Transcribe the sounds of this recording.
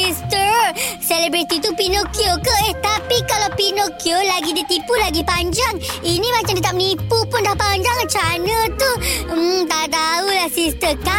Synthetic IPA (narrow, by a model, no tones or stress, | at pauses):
ist̪əsɛlebɾit̪it̪upinokjokəʔɛht̪apikalawpinokiolaɡidit̪ipulaɡipaɲd͡ʒaŋinĩmãt͡ʃamdit̪ap̚nipupʊndahpaɲd͡ʒaŋt͡ʃanə̃t̪u | t̪ad̪aulahsist̪əka